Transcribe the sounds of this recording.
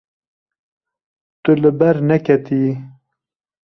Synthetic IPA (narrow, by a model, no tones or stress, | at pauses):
t̪uləbɐɾnɐkɐt̪ʰiː